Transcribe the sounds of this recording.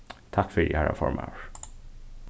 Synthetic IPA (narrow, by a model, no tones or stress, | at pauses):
t̪ʰakːfœɾḭhæɾa̰fɔ̰ɾma̰ʂ